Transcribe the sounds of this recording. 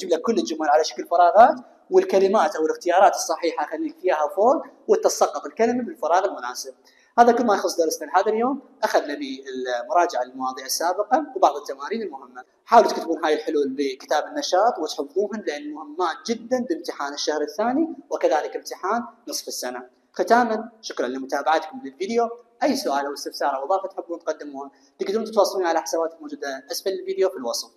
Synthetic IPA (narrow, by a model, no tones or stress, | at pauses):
d͡ʒɪblakkːʊlːɪt̪ːd͡ʒʊmːalʕalaʃḁkəlfɑɾˤɑːɣɑːt̪ | wɪlkalɪmaːt̪ʔawɪlɪxt̪ɪjɑːɾˤɑːt̪ɨ̥sˤːɑħiːħaʔxalːiːnfjaːhafoːɾwɪt̪ːɑsˤɑqːɑt̪ˤɪlkalɪmabɪlfɑɾˤɑːɣɪlmʊnaːsɪb̚ | haːðakʊlmajxʊsˤd̪ɑɾˤsnalhaːðaljoːm | ʔaxaðnabiɪlmʊɾˤɑːd͡ʒɪʕalmawɑːðˤiʔasːaːbɪqɑwbɑʕðˤɨt̪ːamaːɾiːnɪlmʊhɪmːa | ħaːwlt̪kt̪kuːnɦaːjɪlħʊluːlbəkɪ̥t̪aːbɪnːaʃɑːt̪ˤwɪt̪ħʊbːuːhʊnlɪʔanːmʊhɪmːaːt̪d͡ʒɪd̪ːanbɪmt̪ɪħaːnɪʃːahɾɪθːaːniwɪkaðaːlɪkɪmt̪ɪħaːnːɨsˤfɪsːana | xɪt̪aːmanʃʊkɾanlimʊt̪aːbaʕat̪kʊmlɪlviːd̪ɪjoʔajːsʊʔaːlʔawɪst̪ɪfsɑːɾˤɑwbɑʕfat̪ħɪbːuːnt̪qɑd̪ːɪmuːhʊn | t̪ɪɡd̪uːnt̪ɪt̪wɑːsˤːɑluːnʕalaħḁsabaːt̪ɪlmoːd͡ʒuːd̪alʔasfalɪlviːd̪jofilwɑsˤl